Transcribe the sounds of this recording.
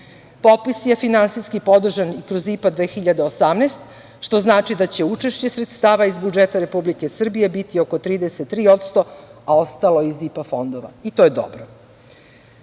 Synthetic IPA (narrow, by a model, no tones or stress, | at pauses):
po̞pisjefinansijskipo̞d̪r̩ʒanikɾozipad̪ʋe̞ːxiʎad̪eosamneːst̪ | ʃt̪o̞znaːt͡ʃid̪at͡ɕe̞ut͡ʃe̞ʃt͡ɕe̞sɾet̪st̪aːʋaizbud͡ʒet̪aɾe̞publike̞sr̩bije̞bit̪io̞kot̪ɾiːd̪e̞set̪ːɾiːo̞t̪st̪o̞ao̞st̪alo̞izipafo̞nd̪o̞ʋa̰it̪o̞jed̪o̞̰bɾo